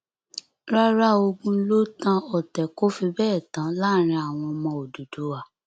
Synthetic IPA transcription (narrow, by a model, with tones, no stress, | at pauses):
ɾa˦ɾa˦o˧ɡũ˦lo˦tã˧ɔ˨tɛ˨ko˦fi˧bɛː˦˨tã˨˦la˦˨ɾ̃ĩ˧a˨w̃ɔ̃˧mɔ̃˧o˨du˨do˨˦wa˨